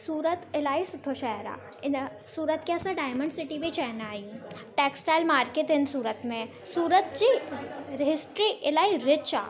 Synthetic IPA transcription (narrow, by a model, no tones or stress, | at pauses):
suːɾət̪ɪlaːisʊʈʰoʃaɦəɾa̰ː | ɪn | suːɾət̪keɐsãɖaːɪmə̃ɳɖsɪʈibʱit͡ɕaɦənaːɦiũʈeːksʈaːɪlmaːɾkeːʈɪnsuːɾət̪mẽ | suːɾət̪d͡ʑiːɾɪɦɪsʈɾiʔɪlaːiɾɪt͡ɕa̰ː